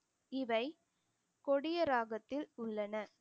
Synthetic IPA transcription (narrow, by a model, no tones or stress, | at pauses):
ɪʋɐɪ | kɔɽɪjɐɾaːɣɐt̪ːɪlʊɭːɐnɐ